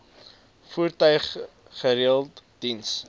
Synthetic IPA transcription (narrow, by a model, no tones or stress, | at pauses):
furtœɥχː | əɾiəlˠtd̥ins